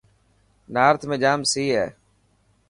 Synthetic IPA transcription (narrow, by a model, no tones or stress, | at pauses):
naːɾt̪ʰmẽːd͡ʒaːmsiːɦɛː